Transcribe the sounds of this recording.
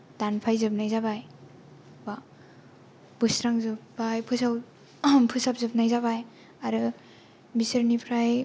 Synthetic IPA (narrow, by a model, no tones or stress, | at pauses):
danpʰajzɯp̚najzabaj | ba | b̥ɯsɾaŋzɯpbajpʰɯsaw | pʰɯsap̚zɯp̚najzabaj | aɾɯ | bisɯɾnipʰɾaj